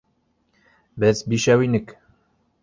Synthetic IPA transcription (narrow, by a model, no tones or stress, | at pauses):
bɘzbiʃæwinɘk